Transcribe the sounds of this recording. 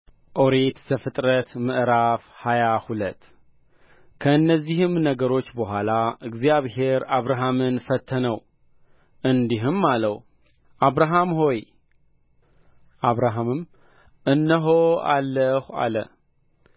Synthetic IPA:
ʔo̞ɾet̪zəfɨt̪ʼɾət̪mɨʔɾafhajahulət̪ː | kʰəɨnːəzːihɨmnəɡəɾo̞t͡ʃːbəɦʷalaɨɡzjaβhe̞ɾaβɾaɦamɨnfət̪ʰːənəw | ʔɨnd̪iɦɨmːaləw | ʔaβɾaɦamho̞j | ʔaβɾaɦamɨm | ʔɨnːəɦoa̰lːəha̰lə̰

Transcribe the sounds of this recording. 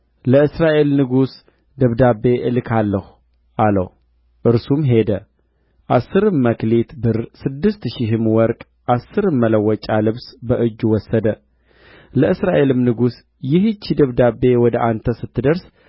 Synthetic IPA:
ləɨsɾaʔe̞lnɨɡus | d̪əβd̪abe̞ʔɨlkʰalːəhu | ʔalə̰w | ʔɨɾsumɦe̞d̪ə | ʔasːɨɾɨmːəklet̪bɨɾsɨd̪ːɨst̪ʃɪɦɨmwɔɾkʼ | ʔasːɨɾɨmːələwːɔt͡ʃʼalɨβsbəʔɨd͡ʒːwɔsːəd̪ə | ləʔɨsɾaʔe̞lɨmnɨɡus | jɪhɨt͡ʃːid̪əβd̪abːe̞wɔd̪əʔant̪ʰəsɨt̪ːɨd̪əɾs

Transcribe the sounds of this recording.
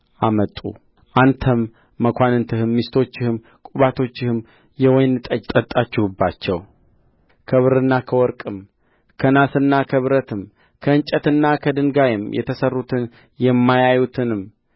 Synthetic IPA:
ʔamət̪ʼṵ | ʔant̪ʰəmː | əkʰʷanɨnt̪ʰɨhɨmːist̪ʰo̞t͡ʃːɪhɨm | kʼuβat̪ʰo̞t͡ʃːɪhɨm | jɛwɔjnɨt̪ʼət̪ʼət̪ʼat͡ʃːɪhubːat͡ʃːɛw | kʰəβɨɾɨnːakʰəwɔɾkʼɨm | kʰənasɨnːakʰəβɨɾət̪ʰɨm | kʰəɨnt͡ʃʼət̪ɨnːakʰəd̪ɨŋɡajɪmjɛ̰t̪ʰəsərːut̪ʰɨn | jɛmːajajut̪ʰɨnɨm

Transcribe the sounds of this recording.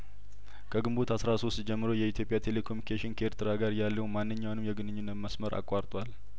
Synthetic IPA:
kʰəɡɨmbo̞t̪ʰasɾaso̞st̪d͡ʒɛmːɨɾo̞jɛit̪ʰjopʼjat̪ʰe̞le̞kʰomikʰeʃɪnkʰeeɾt̪ʰɨɾaɡaɾjalːəwmanːɨɲːawnɨmjɛɡɨnɨɲːunːət̪məsməɾʔa̰kʼwaɾt̪ʼwal

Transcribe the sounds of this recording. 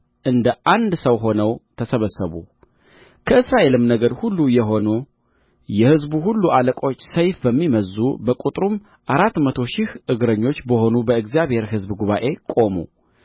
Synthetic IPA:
ʔɨnd̪əʔand̪səwɦo̞nəwt̪ʰəsəβəsːəβṵ | kʰəɨsɾaʔe̞lɨmnəɡəɾhulːujɛɦo̞nu | jɛhɨzbuɦulːuʔaləkʼo̞t͡ʃːsəjfbəmːiməzːubəkʼut̪ʼɾum | ʔaɾat̪ːmət̪ʰo̞ʃɪhʔɨɡɾəɲːo̞t͡ʃːbəho̞nubəɨɡzjaβhe̞ɾɦɨzbɡuβaʔe̞kʼo̞mṵ

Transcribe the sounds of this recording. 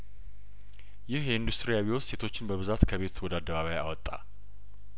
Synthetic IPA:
jɪhjɛɨnd̪ust̪ʼɾijaβiwosse̞t̪ʰo̞t͡ʃːɪnbəβɨzat̪kʰəβe̞t̪ʰwɔd̪əad̪ːəβaβaja̰wɔt̪ʼːa̰

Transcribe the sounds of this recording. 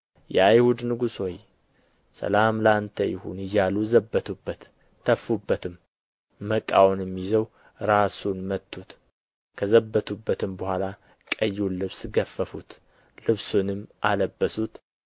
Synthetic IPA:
jɛajhud̪nɨɡuswoj | sə̰lamləant̪ʰəjɪ̰hṵnɨjːaluzəbːət̪ʰubːət̪ʰː | əfːubːət̪ʰɨmː | əkʼːawnjɛmːizəw | ɾasunmət̪ʰːut̪ | kʰəzəbːət̪ʰubːət̪ʰɨmbəhʷala | kʼəjːunlɨβsɡəfːəfut̪ | lɨβsunɨmʔaləbːəsut̪

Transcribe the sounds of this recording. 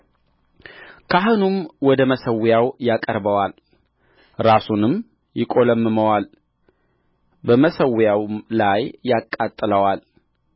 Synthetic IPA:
kʰaɦɨnumwɔd̪əməsəwjawjakʼəɾbəwal | ɾasunɨm | jɪkʼoləmːɨməwal | bəməsəwjawlajːakʼːat̪ʼːɨləwal

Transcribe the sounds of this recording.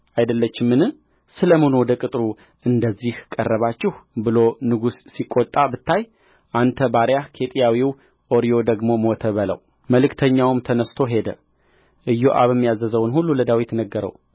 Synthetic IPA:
ʔajd̪əlːət͡ʃːɪmːɨnɨ | sɨləmonwd̪əkʼɨt̪ʼɾu | ɨnd̪əzːihkʼərːəβat͡ʃːɪhbɨlo̞nɨɡusːikʼːot̪ʼːabɨt̪ːaj | ʔant̪ʰəbaɾjakʰe̞t̪ʼijawiw | ʔoɾijo̞d̪əɡmomot̪ʰəβələ̰w | məlɨkt̪ʰəɲːawmt̪ʰənəst̪ʰo̞ɦe̞d̪ə̰ | ʔɨjːo̰ʔa̰βɛmːijazəzəwnhulːuləd̪awit̪nəɡːəɾə̰w

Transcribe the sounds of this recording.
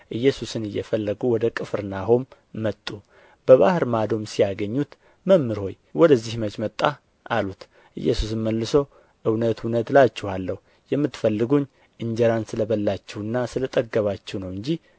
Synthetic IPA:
ʔɨjːɛsusɨnɨjːɛ̰fəlːəɡuwɔd̪əkʼɨfɾɨnaɦomː | ət̪ʼːu | b̥əβahɨɾmad̪o̞msijaɡəɲːut̪ | məmːɨɾho̞j | wɔd̪əzːihmət͡ʃʼmət̪ʼːa | ʔalut̪ | ʔɨ̰jːɛsusɨnməlːɨso | ʔɨwnət̪ʰunət̪lat͡ʃːɛhalːəhu | jɛmːɨt̪ːfəlːɨɡuɲː | ʔɨɲd͡ʒəɾansɨləβəlːat͡ʃːɛwɨnːasɨlət̪ʼəɡːəβat͡ʃːɛwnəwɨɲd͡ʒi

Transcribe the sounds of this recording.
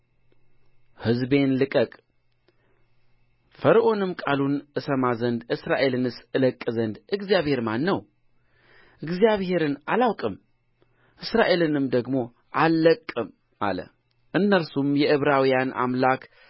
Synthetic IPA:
hɨzbe̞nlɨkʼəkʼ | fəɾʔo̞nɨmkʼalunʔɨsəmazənd̪ʔɨsɾaʔe̞lɨnɨsɨləkʼːɨzənd̪ʔɨɡzijaβhe̞ɾmanːəw | ʔɨɡzijaβhe̞ɾɨna̰lawkʼɨm | ʔɨsɾaʔe̞lɨnɨmd̪əɡmo̞ | ʔalːəkʼːɨm | ʔa̰lə̰ | ʔɨnːəlsumjɛʔɨβɾawijana̰mlakʰ

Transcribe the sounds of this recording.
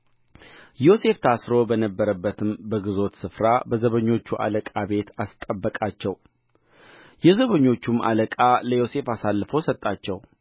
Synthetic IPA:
jo̞se̞ft̪ʰasɾo̞bənəbːəɾəbːət̪ʰɨmbəɡɨzo̞t̪sɨfɾabəzəβəɲːo̞t͡ʃːuʔa̰ləkʼabe̞t̪ʰast̪ʼəbːəkʼat͡ʃːɛw | jɛzəβəɲːo̞t͡ʃːuma̰ləkʼaləjo̞se̞fasalːɨfəwsət̪ʼːat͡ʃːɛw

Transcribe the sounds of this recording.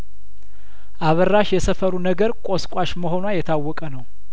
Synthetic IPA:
ʔaβərːaʃjɛsəfəɾunəɡəɾkʷʼoskʷʼaʃməho̞nwajɛt̪ʰawːɔkʼənəw

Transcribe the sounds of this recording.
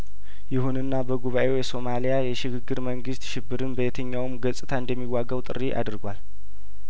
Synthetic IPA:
jɪhunɨnːabəɡuβaʔe̞wjɛso̞malijajɛʃɪɡɨɡːɨɾməŋɡɨst̪ʃɪbːɨɾɨnbəjet̪ʰəɲːawɨmɡəsʼɨt̪ʰaɨnd̪əmːiwaɡəwt̪ʼɨ̰riʔa̰d̪ɾɡwal

